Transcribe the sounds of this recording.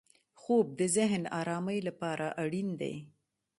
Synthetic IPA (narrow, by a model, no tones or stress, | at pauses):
xob̚d̪əzɪɦnɑɾɑməjlapɑɾaʔaɽind̪a̰j